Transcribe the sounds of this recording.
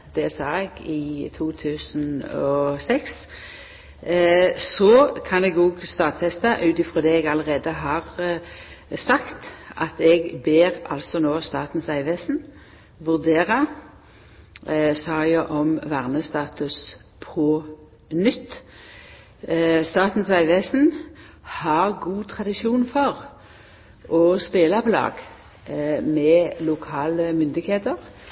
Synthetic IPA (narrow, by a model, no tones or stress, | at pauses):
d̪̥ɛsɑːɛɡɪt̪ʰuːt̪ʰʉːsn̩ɔsɛks | sɔkʰɑnɛɡoːɡst̪ɑːt̪fɛst̪ɑʔʉːt̪ɪfʁɔːd̪ɛːɛːɡɑləʁeːd̪əɦɑːʁ | sɑkt̪ʔɑt̪ɛɡbeːʁɑ̰lsɔnoːst̪ɑːt̪n̩sæɪʋesn̩ | ʋʉʁd̪eːʁə | sɑːjəʔɔmʋæʁnəst̪ɑːt̪ʉs | pʰɔ | nʏt̪ː | st̪ɑːt̪n̩sæɪʋeːsn̩ | hɑʁɡuːt̪ʰʁɑd̪ɪʃuːnfɔʁ | ʔɔspeːlɑpʰɔlɑ̰ːɡ | mɛlʊkʰɑːləmʏnd̪ɪɡheːt̪əʁ